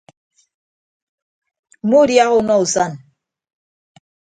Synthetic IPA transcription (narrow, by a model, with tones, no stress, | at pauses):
mu˦ɾja˦ɣo˦˨˦nɔ˦u˨sa˦˨n